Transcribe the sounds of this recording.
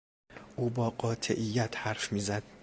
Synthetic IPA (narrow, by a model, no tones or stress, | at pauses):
ʔuːbɒːɢɒːt̪ʰḛʔijːæt̪ʰhæɾfmiːzæd̪̥̚